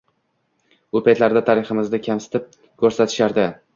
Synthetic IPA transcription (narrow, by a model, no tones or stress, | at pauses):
opʰat̪laɾd̪at̪ʰaɾɪχɪmɪzd̪akʲʰamsɪ̥t̪ʰɪp̚ | kʲʰɵɾsat̪ʰɪ̥ʃaɾd̪ɪ